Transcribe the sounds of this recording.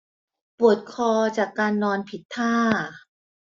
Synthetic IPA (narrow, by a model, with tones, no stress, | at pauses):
pu˨˩ət̪̚kʰɔː˧t͡ɕaː˨˩kːaː˧nːɔː˧npʰi˨˩t̪ʰːaː˥˩